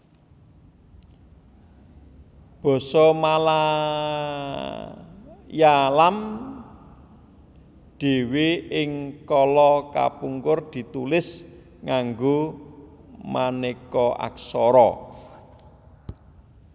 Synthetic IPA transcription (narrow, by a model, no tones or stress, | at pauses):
b̥ɔ̤sɔmala | jalam | ɖ̪̥e̤wiɪŋkɔlɔka̰puŋkʊrd̪̥i̤t̪ulɪs | ŋaŋɡo | manekɔʔa̰ksɔɾɔ